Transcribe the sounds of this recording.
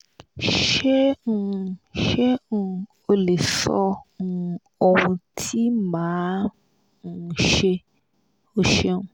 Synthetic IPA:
ʃe˦nũ˦ʃe˦nũ˦ | o˦le˨sɔ̰˦nũ˦ | o˦wũ˧tʰi˦mãː˨˦ | nũ˦˧˨ʃe˦ | o˦ʃe˦nũ˦

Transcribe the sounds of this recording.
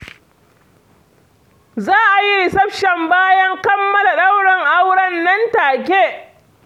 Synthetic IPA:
zaː˦ʔa˨ji˦sɐ˦ɸʃɛ˨mbaː˦jɐ˦ŋkɐ˦mːɐ˦la˨ɗa˦wɽɐ˨ŋʔa˦wɽɐ˦nːɐ˦ntaː˨k̬ʲeː˦˨

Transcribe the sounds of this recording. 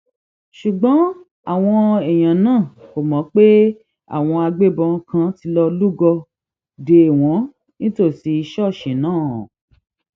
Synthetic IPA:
ʃu˨ɡ͡bɔ̃˨˦ | a̰˦˨w̃ɔ̃˧ɛ˨j̃ã˨nãː˦˨ko˨mɔ̃˨˦k͡pe˦ | a̰˦˨w̃ɔ̃˧a˧ɡ͡be˦bɔ̃˧kʰã˧ti˧˦lɔ˧lu˦ɡɔ˧ | de˧e˨w̃ɔ̃˨˦ | nĩ˦to˦˨si˧˦i˧ʃɔ˦˨ʃĩ˨nãː˦˨ɔ̰˨

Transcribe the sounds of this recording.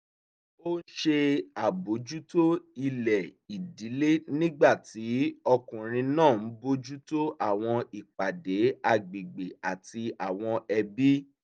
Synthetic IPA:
o˦ʃe˧a˨bo˨˦d͡ʒu˦to˦i˧lɛ˨i˨di˨˦le˦nĩ˦ɡ͡ba˦˨ti˨˦ɔ˧kũ˨ɾ̃ĩ˧nãː˦˨n̩˨˦bo˦d͡ʒu˦to˦ʔa˦˨w̃ɔ̃˧i˨k͡pa˨de˨˦a˨ɡ͡be˨ɡ͡be˨a˨ti˧a˨w̃ɔ̃˧ɛ˧bi˦

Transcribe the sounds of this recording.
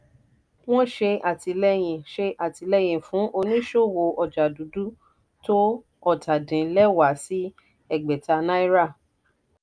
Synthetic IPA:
w̃ɔ̃˦ʃe˧a˨ti˧lɛ˦j̃ĩ˨ʃe˧ʔa˨ti˧lɛ˦j̃ĩ˨fũ˨˦ʔo˧nĩ˦ʃo˦˨wo˧ʔɔ˨d͡ʒa˨du˨˦du˦ | to˦ | ɔ˦˨tʰa˨dĩ˨˦lɛ˦˨wa˨˦si˦ | ɛ˦˨ɡ͡bɛ˨ta˧nã˦i˦ɾa˦˨

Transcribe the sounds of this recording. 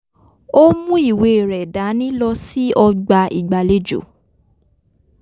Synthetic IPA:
o˦mũ˦i˦˨we˧˨ɾɛ˨da˨˦nĩ˦lɔ˧si˦ʔɔ˧ɡ͡ba˧i˨ɡ͡ba˨le˦d͡ʒo̰˨

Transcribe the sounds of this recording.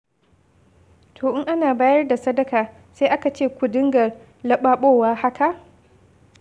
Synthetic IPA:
tʰoː˨ʔɪ˦ŋʔa˦naː˨baː˦jɐ˦rda˨sɐ˦dɐ˦kaː˨ | seː˦ʔa˦ka˨t͡ʃeː˦˨kʷʊ˨dɪ˦ŋɡɐ˨r | lɐ˦ɓaː˦ɓoː˦waː˦ha˦kʰa˨ʔ

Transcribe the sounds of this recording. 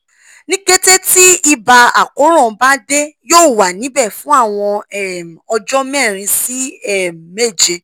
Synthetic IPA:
nĩ˦ɡe˦te˦ti˦i˧ba˧a̰˨ko˨˦ɾ̃ɔ̃˦˨˧ba˦de˦joː˦˨wa˨nĩ˨˦bɛ˦˨fũ˦a˦˨w̃ɔ̃˧ɛ˦˨m˨ɔ˧d͡ʒɔ˦mɛ̃˦˨ɾ̃ĩ˧si˦ɛ˦˨me˦˨d͡ʒe˧

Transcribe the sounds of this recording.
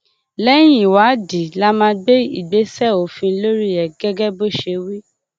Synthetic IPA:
lɛ˦j̃ĩ˦˨wa˨˦di˨la˦mã˧ɡ͡be˦i˨ɡ͡be˨˦sɛ˦˨o˨fĩ˧˦lo˦ɾi˦ɛ˨ɡɛ˦ɡɛ˦bo˦˨ʃe˧wi˦

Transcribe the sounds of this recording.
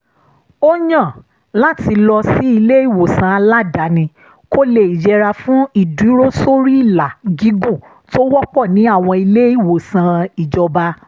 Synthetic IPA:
o˦ɲã˦˨ | la˦ti˧lɔ˧si˨˦i˧le˦i˦˨wo˨sã˧a˧la˦da˨˦nĩ˧ | ko˦le˦˨i˨d͡ʒɛ˧ɾa˧fũ˦i˦˨dũ˨˦ɾo˦so˦ɾi˦i˦˨la˨ɡi˨˦ɡu˦˨ | to˦wɔ˦k͡pɔ˦˨nĩ˨˦a˦˨w̃ɔ̃˧i˧le˦i˦˨wo˨sã˧i˨d͡ʒɔ˧ba˧

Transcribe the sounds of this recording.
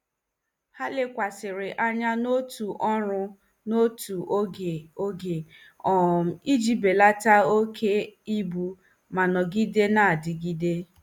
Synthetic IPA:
ha˦lɪ˦kʷa˨sɪ˨ɾɪ˨ʔa˦ɲa˦no˦tu˨ʔɔ˦ɾʊ˦ | no˦tu˨ʔe˨o˦ɡe˨ | ɔ˨m̩˨i˦d͡ʒi˦be˨la˦ta˦o˦kʰe˦i˦bu˦ | ma˨nɔ˨ɡi˦de˦na˦a˨dɪ˨ɡi˦de˦

